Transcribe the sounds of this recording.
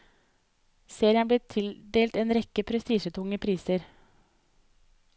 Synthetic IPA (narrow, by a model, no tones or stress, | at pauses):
seːɾɪənbleːt̪ʰɪld̪eːlt̪eːnɾɛkəpʰɾɛst̪iːʃət̪ʰʊŋəpʰɾiːsəɾ